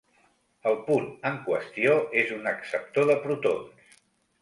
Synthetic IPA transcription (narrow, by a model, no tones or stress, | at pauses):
əlˠpunəŋkwəst̪ioezunəksəp̚t̪oðəpɾut̪o̰ns